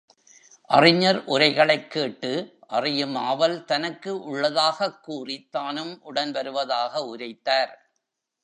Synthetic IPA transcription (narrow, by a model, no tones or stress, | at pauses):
ʔɐrɪɲːɐɾʔʊɾɐɪɣɐɭɐɪkːeːʈːɯʔɐrɪjɯmaːʋɐlt̪ɐnɐkːɯʔʊɭːɐðaːɣɐkːuːrɪt̪ːaːnɯmʔʊɽɐnʋɐɾɯʋɐðaːɣɐʊɾɐɪt̪ːaːɾ